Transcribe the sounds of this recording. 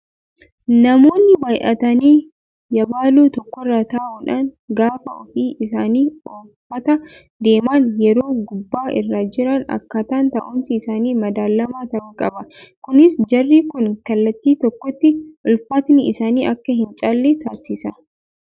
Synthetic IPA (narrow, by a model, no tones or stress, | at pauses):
nɐmo̞ːnːɪbɐjʔɐt̪ɐniː | jɐbaːluːt̪ɔkːɔrːaːt̪aːʔuːᶑaːŋɡaːfɐɔ̰fiːʔɪs̬aːniːoːfɐt̪ɐ | d̪e̞ːmaːnjɛɾo̞ːɡʊbːaːʔɪrːaːd͡ʒɪɾɐnɐ̰kːɐt̪aːnt̪ɐ̰ʔʊmsɪɪsaːniːmɐd̪aːlːɐmaːt̪ɐkʼɐbɐkʊnɪsd͡ʒɐrːiːkʊnkɐlːɐt̪ːiːt̪ɔkːɔt̪ːɪʔʊlfɐt̪nɪɪsaːniːʔɐkːɐɦɪnt͡ʃʼalːet̪aːsɪsɐ